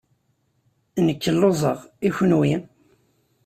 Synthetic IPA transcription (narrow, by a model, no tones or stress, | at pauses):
nəkːəlːozˤəʁiçənwin